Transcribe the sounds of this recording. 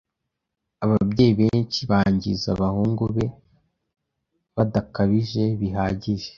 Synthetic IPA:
aβabɟe̞ːjiβeːɲt͡ʃiβaːɲɟḭzaβahuːŋɡuβe̞ | βadakaβiʒe̞βiɦaːɟiʒe

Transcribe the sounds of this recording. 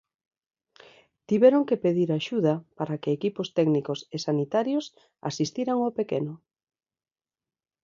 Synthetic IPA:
t̪iβɛɾoŋkepeðiɾaʃuðapaɾakeːkipost̪ɛɡnikosesanit̪aɾjos | a̰sist̪iɾaŋopekeno

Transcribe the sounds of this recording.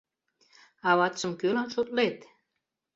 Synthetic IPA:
ɑβɑt̪ʃɤ̆mkølɑnʃot̪let̪

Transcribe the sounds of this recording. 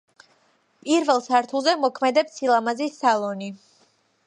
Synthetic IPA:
pʼiɾvɛlˠsaɾt̪ʰulˠzɛmɔkʰmɛd̪ɛpsilˠamazisːalˠɔni

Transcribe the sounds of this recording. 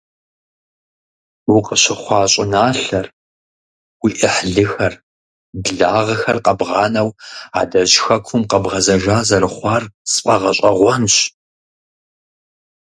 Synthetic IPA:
uqəɕɪχʷɑːɕʼɪnaːɬɐr | wiʔɪħɮɨxɐr | dɨɮaːʁɐxɐrqɐbʁɑːnɐwa̰ːdɐʑxɐkʷʰʊmqɐbʁɐzɐʒʷaːzɐrɨχʷɑːrsɨ̥pʼɐʁɐɕʼɐʁʷɔnɕ

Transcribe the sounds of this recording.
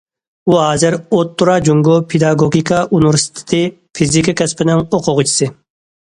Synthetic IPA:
uɦɑːzɪɾot̪ʰːuɾɑd͡ʒuŋɡopʰed̪ɑɡoɡʲikʰɑʔunuɾst̪ʰɪ̥t̪ʰɨ | fʰizikɨkʲɛspʰɪnɪŋoqʰʊʁʊt͡ʃʰi̥sɨ

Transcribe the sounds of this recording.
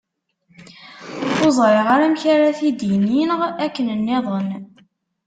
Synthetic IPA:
θozˤɾˤɪʁaɾæmçaɾæθid̪jəninəʁækːənənːɪðˤən

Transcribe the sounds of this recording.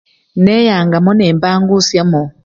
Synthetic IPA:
nɛjaŋɡamɔnɛmbaŋɡusjamɔ

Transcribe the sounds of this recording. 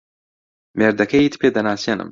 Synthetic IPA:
meːɾd̪ɐkʰɐjit̪pʰeːd̪ɐnaːseːnɨ̰m

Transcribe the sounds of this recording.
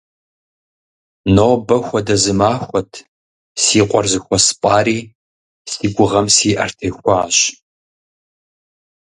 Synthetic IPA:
noːbɐxʷɔdɐzɨmaːxʷɔtʰ | siːqʷʼɔrzɨxʷɔspʼaːɾiː | siːɡʷʊʁɐmsiːʔɐ̰rtʰeːxʷɔaːɕ

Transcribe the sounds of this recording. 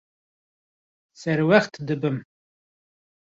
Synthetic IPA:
sɛɾwæχt̪ʰd̪ɨbɨm

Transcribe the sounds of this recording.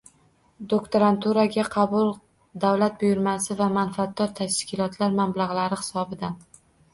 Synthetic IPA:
d̪okt̪oɾant̪uɾaɡʲaqʰɑbʊlˠ | d̪awlat̪̚bʊjʊɾmasɪvamanfat̪̚d̪ːɒɾt̪ʰaʃkʲɪlɒt̪laɾmamlaʁlaɾɪhɪ̥sɒbɪd̪an

